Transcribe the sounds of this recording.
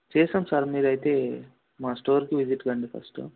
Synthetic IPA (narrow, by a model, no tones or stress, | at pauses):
t͡ʃɛːsɐmsɐɾmiːɾɐjt̪e̞ː | maːsʈoːɾkiʋid͡ʒiʈɡɐɳɖipʰɐ̰sʈṵ